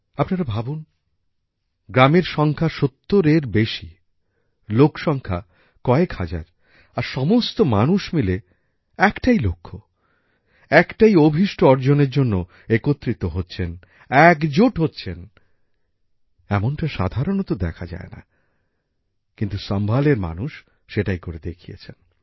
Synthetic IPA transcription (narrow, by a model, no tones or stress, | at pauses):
apnaɾabʱabun | ɡɾameɾʃɔŋkʰaʃot̪ːoɾeɾbeʃi | lokʰʃɔŋkʰa̰ | kɔekhad͡ʑa̰ɾ | aɾʃɔmost̪oma̰nuʃmile | ɛkʈailokʰːo | ɛkʈajobʱiʃʈoɔɾd͡ʑoneɾd͡ʑonːo | ekot̪ːɾit̪oɦotːɕʰen | ɛkd͡ʑoʈɦotːɕʰen | ɛmonʈaʃa̰d̪ʱaɾonot̪od̪ɛkʰad͡ʑa̰ena̰ | kint̪uʃambʱaleɾma̰nuʃː | eʈajkoɾed̪ekʰijḛt͡ɕʰen